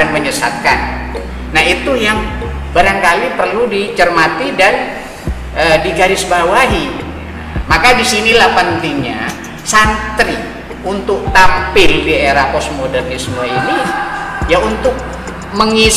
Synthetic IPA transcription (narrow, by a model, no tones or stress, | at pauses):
anməɲəsa̰t̪̚kanː | aɦit̪ujaŋ | baɾaŋkalipərludit͡ʃərmat̪idan | ʔədiɡaɾɪsbawaɦi | makadisinilahpənt̪iɲa̰ | sant̪ɾi | unt̪ʊk̚t̪ampɪldieɾapɔsmodɛrdisəmuainijaunt̪ʊk̚ | məŋis